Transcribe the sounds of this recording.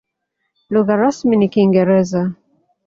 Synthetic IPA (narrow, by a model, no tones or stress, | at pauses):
luɣaɾasminikiŋɡɛɾɛza